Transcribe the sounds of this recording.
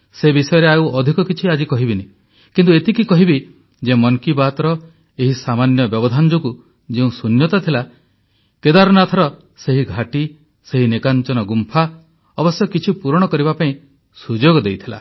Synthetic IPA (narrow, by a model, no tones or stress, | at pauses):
sebisɔjɔɾeauɔd̪ʱikɔkit͡ʃʰiad͡ʒikɔɦibine | kint̪uet̪ikikɔɦibi | d͡ʒemɔŋkibat̪ɾɔ | eɦisamanjɔbjɔbɔd̪ʱand͡ʒoku | d͡ʒeũsunjɔt̪ɔt̪ʰila | ked̪aɾɔnat̪ʰɔɾɔ | seɦiɡʱaʈi | seɦinekant͡ʃɔnɔɡumpʰa | ɔbɔsjɔkit͡ʃʰipuɾɔɽ̃ɔkɔɾibapaĩ | sud͡ʒoɡɔd̪ejt̪ʰila̰